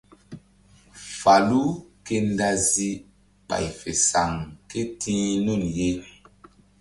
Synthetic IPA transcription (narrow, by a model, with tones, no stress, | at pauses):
fa˨lu˦ke˦nda˦zi˦ | k͡pa̰˨jfe˨sa˨ŋke˦tʰĩː˦nu˦˨nje˦